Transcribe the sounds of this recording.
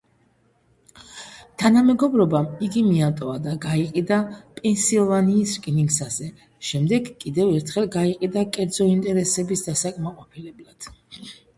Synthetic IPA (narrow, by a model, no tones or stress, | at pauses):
t̪ʰanamɛɡɔbɾɔbamiɡimiat̪ʼɔad̪aɡaiqʼid̪apʼɛnsilˠvaniːskʼiniŋɡsazɛ | ʃɛmd̪ɛɡkʼid̪ɛvɛɾt̪ʰχɛlˠɡaiqʼid̪akʼɛɾd̪zɔint̪ʼɛɾɛsɛbisd̪asakʼmaqʼɔpʰilɛblˠad̪̥